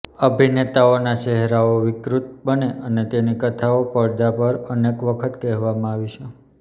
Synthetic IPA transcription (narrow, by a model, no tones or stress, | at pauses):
əbʱinet̪aonat͡ʃɛɦɾaoʋɪkɾut̪̚bəneʔənet̪enikət̪ʰaopəɭd̪apəɾənekʋəkʰət̪kɛɦʋamãaʋit͡ʃʰe